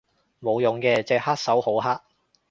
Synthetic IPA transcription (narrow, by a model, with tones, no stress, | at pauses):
mo˨˧wjʊ˨˥ŋkɛː˧t͡sɛː˧haː˥t̚sɐ˨˥who˨˥wɦaː˥t̚